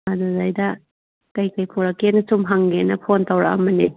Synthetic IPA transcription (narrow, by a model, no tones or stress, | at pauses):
adazajdɐ | kajkajpʰuɾakenɐsumɦaŋɡenɐpʰontawɾaɐ̰mɐni